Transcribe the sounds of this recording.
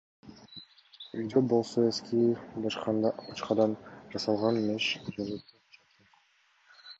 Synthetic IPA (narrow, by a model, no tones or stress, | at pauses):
id̪ʲobo̞lˠsoeskʰʲibɑqɑd̪b̥ɑt͡ʃqɑd̪ɑnd͡ʒɑsɑlˠʁɑnmeʃd͡ʒozet̪